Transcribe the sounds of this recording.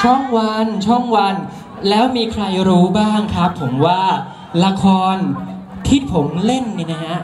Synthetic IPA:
t͡ɕʰɔ˥˩ŋwa˧nt͡ɕʰɔ˥˩ŋwa˧n | lɛː˦˥wmiː˧kʰɾa˧jɾuː˦˥baː˥˩ŋkʰɾa˦˥pʰːo˩˦mwaː˥˩ | la˧kʰɔː˧n | t̪ʰi˦˥˩pʰo˩˦mle˥˩nːi˧˩na˦˥ha˦˥ʔ

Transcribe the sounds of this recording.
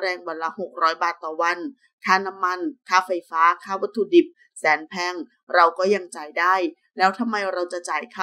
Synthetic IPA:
ɾɛː˧ŋwa˧nla˦˥ho˨˩k̚ɾɔː˦˥jbaː˨˩t̪ːɔː˨˩wa˧n | kʰaː˥˩na˦˥mːa˧nkʰaː˥˩fa˧jfaː˦˥kʰaː˥˩wa˦˥t̪ʰːu˧di˨˩p̚ | sɛː˩˦npʰɛː˧˥˩ŋ | ɾa˧wkɔː˥˩ja˧ŋt͡ɕaː˨˩jdaː˥˩j | lɛː˦˥wt̪ʰa˧mːa˧jɾa˧wt͡ɕa˨˩t͡ɕaː˨˩jkʰa˧˥˩

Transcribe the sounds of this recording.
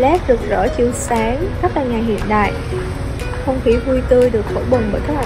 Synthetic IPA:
lɛ˦˥p̚ɗɨ˨˩ək̚zɔ̰ː˧˥t͡ɕi˨˧˨əwsaː˨˦ŋxa˦˥laː˨˩ɲaː˨˩ɦḭ˧˨ənɗa̰ː˧˨j | xə˧wŋ͡mxi˧˩vu˧jt̪ɨ˧jɗɨ˨˩ək̚fʰo˧˩ɓə˨˩nɓəː˧˩jk̪ʰa˦˥˨

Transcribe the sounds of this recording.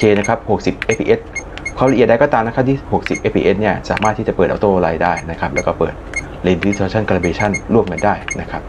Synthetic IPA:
t͡ɕʰeː˧na˦˥kʰa˦˥p̚ho˨˩k̚si˨˩p̚ʔe˦˥pʰḭː˧ʔe˦˥t̪̚kʰɔ˧˦˩wɾʔi˨˩t̪̚da˧kɔː˥˧t̪aː˧mna˦˥kʰa˥t̪ʰiː˥˩ho˨˩k̚si˨˩p̚ʔe˦˥pʰḭː˧ʔe˦˥t̪̚ni˥˩ɐsa̰ː˩˦maː˥˩t̪ʰiː˥˩t͡ɕa˨˩pɤː˨˩ʔt̪oː˥˩˧ɾaː˧jdaː˥˩jna˦˥kʰa˦˥p̚lɛː˦˥wkɔː˥˩pɤː˨˩t̪̚ | le˧ndt̪ʰoː˧t͡ɕʰa˥˩nka˧la˧beː˧t͡ɕʰa˥˩nɾu˥˩əmka˧ndaː˥˩jna˦˥kʰa˦˥p̚

